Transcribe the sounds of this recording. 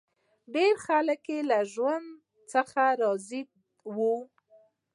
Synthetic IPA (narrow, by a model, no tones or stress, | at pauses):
ɖeɾxaləkjelaʒwand̪ | t͡səxaɾɑzi | wu